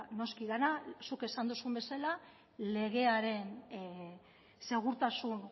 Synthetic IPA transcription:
no̞skiðanasuke̞sand̪usumbe̞sala | le̞ɣ̞e̞aɾe̞n | se̞ɣ̞uɾt̪asuŋ

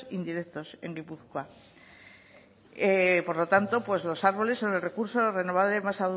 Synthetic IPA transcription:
ind̪iɾe̞kt̪o̞se̞ŋɡipuθka | epo̞ɾlo̞t̪ant̪o̞pwe̞zlo̞saɾβ̞o̞le̞sːo̞ne̞lre̞kuɾso̞re̞no̞β̞aβle̞masað

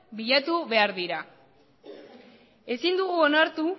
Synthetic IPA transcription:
biʎat̪uβe̞aɾðiɾa | e̞sind̪uɣuo̞naɾt̪u

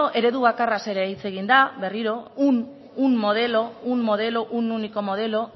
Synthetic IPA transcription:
oʔe̞ɾe̞ðuβ̞akarase̞ɾeit͡se̞ɣind̪aβe̞riɾo̞un | unmo̞ð̞e̞lo̞unmo̞ð̞e̞lo̞ʔununiko̞mo̞ð̞e̞lo̞

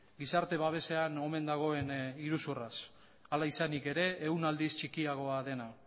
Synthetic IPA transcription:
ɡisaɾt̪e̞βaβ̞e̞se̞ano̞me̞nd̪aɣ̞o̞e̞niɾusuras | alaisanike̞ɾe̞ːunald̪ist͡ʃikiaɣ̞o̞aðe̞na

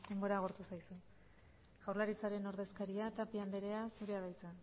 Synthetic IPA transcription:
d̪e̞mbo̞ɾaɣ̞oɾt̪usajsu | ɣ̥awɾrlaɾit͡saɾe̞no̞ɾðe̞skaɾiat̪apiand̪e̞ɾe̞asuɾe̞að̞ajt͡sa

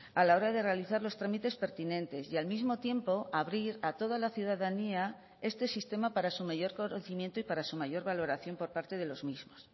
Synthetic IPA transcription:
alao̞ɾaðe̞re̞aliθaɾlo̞st̪ɾamit̪e̞spe̞ɾt̪inẽ̞nt̪e̞sialmizmo̞t̪je̞mpo̞aβɾiɾat̪o̞ð̞alaθjuðaðania | e̞st̪e̞sist̪e̞mapaɾasumaʝo̞ɾkonθimjent̪oipaɾasumaʝo̞ɾβalo̞ɾaθjo̞mpo̞ɾpaɾt̪e̞ð̞e̞lo̞zmizmo̞s

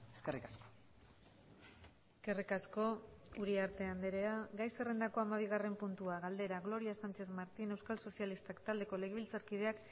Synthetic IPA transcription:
eskerikasko̥ | eske̞rikasko̞uɾiaɾt̪e̞and̪eɾeaɡajse̞re̞nd̪ako̞amaβ̞iɣ̞are̞mpunt̪uaɣald̪e̞ɾaɣlo̞ɾiasant͡ʃe̞θmaɾt̪ine̞wskalso̞sialist̪akt̪ald̪e̞ko̞leɣeβilt͡saɾkið̞e̞ak

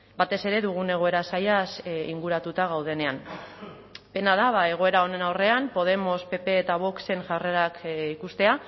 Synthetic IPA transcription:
bat̪e̞se̞ɾe̞ðuɣ̞une̞ɣ̞o̞e̞ɾasajasiŋɡuɾat̪ut̪aɣ̞awð̞e̞ne̞am | pe̞naðaβae̞ɣ̞o̞e̞ɾao̞ne̞nawre̞ampo̞ð̞e̞mo̞spe̞pe̞ːt̪aβ̞o̞kse̞ŋʝare̞ɾakikust̪e̞a

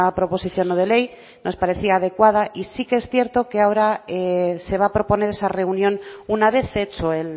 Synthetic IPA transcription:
apɾopo̞siθjo̞nːoðe̞lej | nʔo̞spaɾe̞θiaːð̞e̞kwað̞aʔisikeesθje̞ɾt̪o̞ke̞ao̞ɾaese̞β̞apɾo̞po̞ne̞ɾe̞sare̞unjõ̞nunaβ̞e̞θet͡ʃoel

